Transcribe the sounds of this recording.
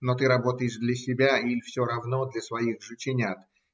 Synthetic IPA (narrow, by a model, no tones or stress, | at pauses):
not̪ɨɾɐbo̞t̪əjɪʂd̪lʲɐsʲɪbʲailʲfsʲoɾɐvno̞d̪lʲɐsvɐixʐɨt͡ɕɪnʲat̪